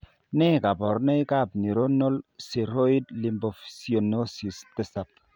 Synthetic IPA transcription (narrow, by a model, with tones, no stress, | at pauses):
nɛ˦˨ka˨bɔ˨ɾnɛ˦jka˦˨b̚ni˨ɾo˦no˦lsi˨ɾo˦i˦dli˨mbo˨fsi˨o˨no˦si˨st̪ɛ˦sa˨p̚